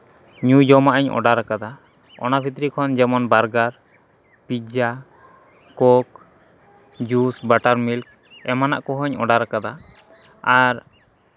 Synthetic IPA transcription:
ɲud͡ʒɔmaʔaɲɔ̰ɖaɾakad̪a | ɔ̰nabʱit̪ɾikʰɔnd͡ʒɛmɔnbaɾɡaɾ | pid͡ʒa | kɔk | d͡ʒusbaʈaɾmilk̚ | ɛmana̰ʔkɔɦɔɲɔ̰ɖaɾakad̪a | aɾ

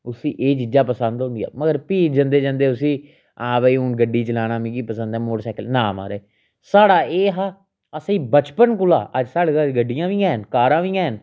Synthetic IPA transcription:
ʊsiːʔeːt͡ʃiːd͡ʒaːpəsənd̪ɦõːnd̪ija̰ːməɡəɾpiːd͡ʒənd̪eːd͡ʒãːnd̪eːʊsĩː | ãːbəiːũːnɡəɖiːt͡ʃəlaːnãːmĩːkiːpəsə̃nd̪ɛ̃ːmoːɽsaːkəlnaːma̰ːɾɛː | saːɽaːeːɦaː | əsiːbət͡ʃpənkʊlaːʔəd͡ʒsaːɽɡaɡəɖɪjãːʋĩːɛ̃ːnkaːɾãːʋiːɛ̃ːn

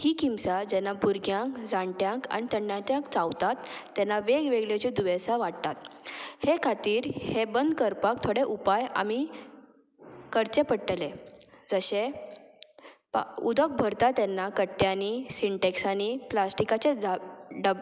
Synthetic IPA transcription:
hiːkimsad͡ʑɛnːabuɾɡjãŋkd͡zãɳʈjãŋka̰nit̪əɳːjãt̪jãŋkt͡sawt̪at̪ːɛnːaʋeɡʋeɡɭet͡ɕid̪uʋesaʋaʈ̚t̪at̪hekʰat̪iːɾhebənd̪kəɾpakt̪ʰoɽeʔupaja̰mi | kəɾt͡sepəʈːled͡zəɕe | pud̪ək̚bʱəɾt̪at̪ɛnːakəʈːjanisiɳʈeksaniplasʈikat͡sed͡zaɖəb

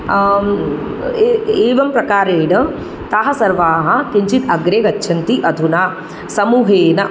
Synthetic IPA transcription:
eːʋɐmpɾɐkaːɾeːnɐ | t̪aɦɐsɐɾʋaːɦɐ̆kiɲt͡ʃit̪ɐɡɾeɡɐtːʃʰɐnt̪iʔɐd̪ʰʱuna | sɐmuːɦeːnɐ

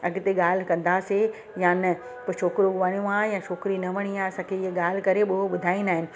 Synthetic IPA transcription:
ɐɡɪt̪eɠaːl̤ɪ̆kɐ̃nd̪ase | janɐ | poʃʰoːkɪɾoʋaːɽ̃jõãjãːʃʰoːkɪɾinɐʋɐɽ̃ijãɐsãːkʰeɪɦeɠaːl̤ɪkɐɾeɓʊɦoɓʊd̪ʱaːĩnaːɦɪnɪ̆

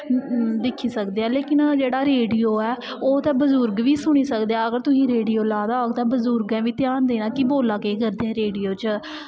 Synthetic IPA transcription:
d̪ɪkʰːiːsəkd̪eːɛ̃ːleːkɪnd͡ʒeːɽaːɾeːɖijoːɛː | oːt̪ɛ̃ːbəzʊɾɡʋiːsʊɽ̃iːsəkd̪eaːəɡəɾt̪ʊsĩːɾeːɖiːjoːlaːd̪aːoɡt̪ãːbəzʊɾɡɛ̃ːʋiːt̪ɪjaːnd̪eːnãːkɪboːlãːkeːkəɾd̪eːɛ̃ːɾeːɖijoːt͡ʃə

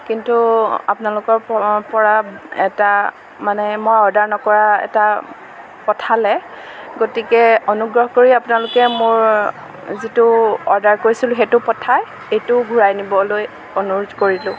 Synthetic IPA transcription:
kintuapʊnalʊkɔɹpɔɹaɛ̰ta | manɛmojɔɹdaɹnɔkɔɹaɛ̰ta | pɔtʰalɛ | ɡotikɛonuɡɹɔɦkoɹiapʊnalʊkɛmʊɹ | zitʊɔɹdaɹkoɹisilʊɦetʊpɔtʰaj | ejtʊɡʱuɹajnibɔloj | ɔnuɹʊdkoɹilʊ̃

